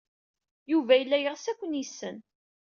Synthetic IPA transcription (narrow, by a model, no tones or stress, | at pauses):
juvæjəlːæjəʁsækʷːənisːən